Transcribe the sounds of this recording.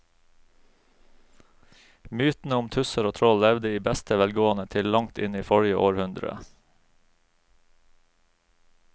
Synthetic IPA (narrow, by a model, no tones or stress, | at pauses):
myːt̪n̩əʊmt̪ʰʉsəɾoːt̪ʰɾɔllɛʋd̪əiːbæst̪əʋɛlɡoːɑnət̪ʰɪllɑŋt̪ɪniːfɔɽjəʔoːɾhʉnd̪ɾə̰